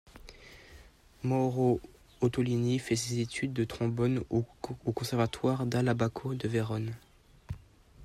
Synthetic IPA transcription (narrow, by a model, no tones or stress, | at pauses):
mɔʁo | ot̪ɔlinifɛsezet̪ʰyd̪ːət̪χɔ̃bɔnokɔ̃sɛʁvat̪waʁd̪alabakʰod̪əveʁɔn